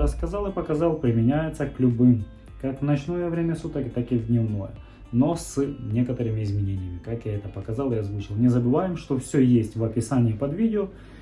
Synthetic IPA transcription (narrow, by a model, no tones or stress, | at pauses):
əskɐzɑlˠɨpɐkɐzɑlˠpɾʲɪmʲɪnʲæjɪt̪səklʲʊbɨm | kakvnɐt͡ɕno̞jəvɾʲemʲəsut̪əkʲt̪akɪvdʲnʲɪvno̞̰jə̰ | no̞sɨnʲe̞kət̪əɾɨmʲɪɪzmʲɪnʲenʲɪjəmʲɪkakjaɛt̪əpɐkɐzɑlˠɪɐzvut͡ɕɪlˠnʲɪzəbɨvajɪmʂt̪o̞fsʲɵjesʲtʲvɐpʲɪsanʲɪipɐd̪vʲidʲɪo